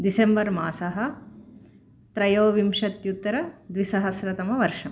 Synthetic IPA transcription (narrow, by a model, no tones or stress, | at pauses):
d̪isembɐɾmaːsɐɦɐ̆ | t̪ɾɐjoːʋimʂɐt̪jut̪ːɐɾɐd̪ʋisɐɦɐsɾɐt̪ɐmɐʋɐɾʂɐm